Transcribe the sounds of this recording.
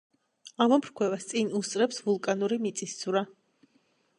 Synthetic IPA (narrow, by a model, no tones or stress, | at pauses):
amɔmʰɾkʰwɛvast̪sʼinust̪ʼɾɛpsvulˠkʼanuɾimit̪sʼisd̪z̥uɾa